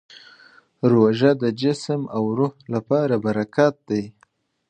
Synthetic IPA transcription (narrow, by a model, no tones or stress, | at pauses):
ɾoʒad̪əd͡ʒɪsmawɾohlapɑɾabaɾakɑt̪̚d̪aj